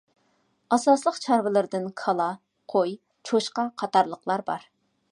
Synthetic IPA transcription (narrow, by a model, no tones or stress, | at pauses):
ɑsɑslˠəqt͡ʃʰɑɾvɨlˠɨɾd̪ɨnkʰɑlˠɑ | qʰoj | t͡ʃʰoʃqɑqʰɑt̪ɑɾlˠəqlˠɑɾbɑ̰ɾ